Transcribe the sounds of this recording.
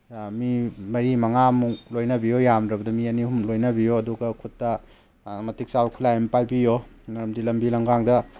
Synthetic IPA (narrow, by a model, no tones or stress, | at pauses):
mimɐɾimɐŋamulojnɐbijojamdɾɐbɐdɐmiɐnihumlojnɐbijoɐduɡɐkʰutːɐ | mɐtik̚sawkʰulajempajbijonɐɾɐmdilɐmbilɐŋɡaŋdɐ